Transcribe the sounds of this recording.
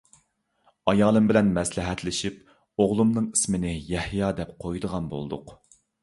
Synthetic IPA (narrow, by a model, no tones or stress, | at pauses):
ɑjɑːlˠɨmbɪlɛnmɛslɪɦɛt̪lɪʃip | oʁlˠumnɨŋi̥smɪnɪjɛhjɑːd̪ɛp̚qʰojd̪əʁɑnbo̰lˠd̪ʊq